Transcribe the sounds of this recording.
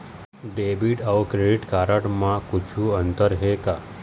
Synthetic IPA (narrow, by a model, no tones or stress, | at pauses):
ɖebiɖəʋkɾeɖiʈkaɾəʈmãkʊt͡ʃʰũənt̪əɾɦeka